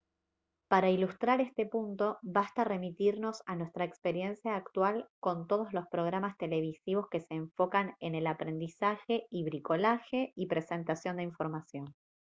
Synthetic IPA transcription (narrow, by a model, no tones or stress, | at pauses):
paɾailust̪ɾaɾe̞st̪e̞punt̪o̞βast̪are̞mit̪iɾno̞sanwe̞st̪ɾaekspe̞ɾje̞nsjaːkt̪walko̞nt̪oð̞o̞zlo̞spɾo̞ɣ̞ɾamast̪e̞le̞β̞isiβ̞o̞ske̞se̞ːɱfo̞kane̞ne̞lapɾe̞nd̪isaxe̞iβɾiko̞laxe̞ipɾe̞se̞nt̪asjo̞nd̪eiɱfo̞ɾmasjo̞n